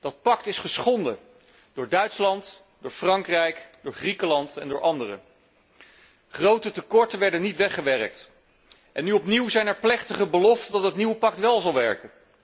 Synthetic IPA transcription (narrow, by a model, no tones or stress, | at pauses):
d̥ɑt̚pɑk̚tɪsχəsχɔndə | d̥ʊːɹdœɥtslɑnt | dʊːɹfrɑŋkrɛjkdʊːɹχrikəlɑntɛ̰ndʊːɹʔɑndərə̰ | χrowtətəkɔɹtəʋɛɹdənitʋɛχəʋɛrək̚t | ʔɛnːyɔpniwzɛjnɛɹplɛχtəχəbəlɔftəndɑt̚ətniwəpɑk̚tʋɛlˠzɑlˠʋɛɹkən